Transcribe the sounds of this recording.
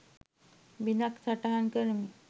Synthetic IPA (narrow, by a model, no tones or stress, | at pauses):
binaksaʈaɦankəɾmi